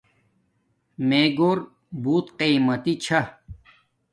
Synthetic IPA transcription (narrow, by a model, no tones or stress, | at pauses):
meːɡoːɾ | buːt̪qiːmɐt̪it͡ɕʰɐ